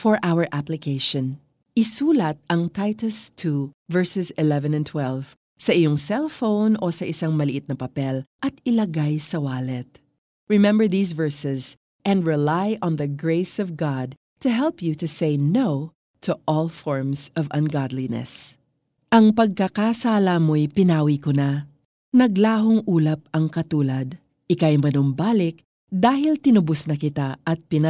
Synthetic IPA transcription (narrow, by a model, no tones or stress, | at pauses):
fɔɹʔawəɹʔaplɪkʰeɪʃɔ̃n | ʔɪsuːlɐt̪̚ʔɐŋt̪ajt̪ʊst̪ʰuvɛɹsɛsɪlɛvɛ̃nɛ̃nt̪ʰwɛlv | sɐʔɪjoŋsɛlˠfownosɐʔɪsaŋmɐlɪʔɪt̪̚nɐpɐpɛlʔɐt̪ɪlɐɡajsɐwaːlɛt̪̚ | ɹɪmɛ̃mbəɹðiːsvɛɹsɛz | ʔɛ̃nd̪ɹɛlajʔɔ̃nðɐɡɹeɪsɔvɡɑd̪̚ | t̪ʰɨɦɛlˠpjut̪ɨsejnoʊ | t̪ʰuʔɔlˠfɔɹmsɔvɐ̃nɡɑd̪linɛ̰s | ʔɐŋpɐɡ̚kakasalamojpɪnaːwikona | nɐɡlaːɦʊŋʔuːlɐp̚ɐŋkɐt̪uːlɐd̪ | ʔɪkajmɐnombaːlɪk̚ | d̪aːɦɪlt̪ɪnʊbʊsnɐkɪt̪aʔɐt̪̚pɪn